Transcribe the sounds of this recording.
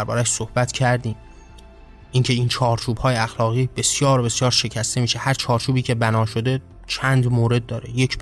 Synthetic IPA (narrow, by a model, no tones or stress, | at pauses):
æɾbɒ̰ːɾæʃsohb̥æt̪ʰcʰæɾd̪iːm | ʔiŋcʰe̞int͡ʃʰɒːɾt͡ʃʰuːb̥hɒːjeæxlɒːɣiːbe̞sjɒːɾobe̞sjɒːɾʃe̞cʰæst̪e̞miːʃehæɾt͡ʃʰɒːɾt͡ʃʰuːbiːcʰe̞bænɒːʃo̞d̪e̞ | t͡ʃʰænd̪moːɾe̞d̪̚ːɒːɾe̞je̞cʰ